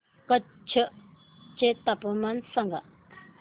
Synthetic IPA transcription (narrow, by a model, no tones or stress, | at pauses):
ka | t͡ɕʰəʔ | t͡ɕet̪apomansaŋɡa